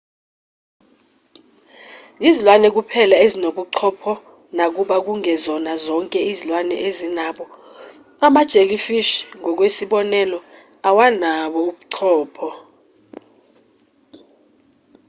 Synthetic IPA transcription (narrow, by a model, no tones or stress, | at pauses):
izilwanɛk̬upʰɛlaezinoɓuǀʰɔpʰɔ | nak̬uɓak̬uŋɛzɔnazɔŋkʼɛizilwanɛ̰ʔezinaɓɔ | amad̥ʒ̥ʱelifiʃŋɔk̬wesiɓɔnɛlɔ | awanaɓɔuɓuǀʰɔːpʰɔ